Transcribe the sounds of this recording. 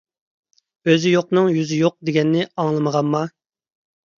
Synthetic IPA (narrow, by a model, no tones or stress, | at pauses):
øzɪjoqnɨŋjyzɪjoq̚d̪eɡʲɛnːɪɑŋlˠɨməʁɑnmɑ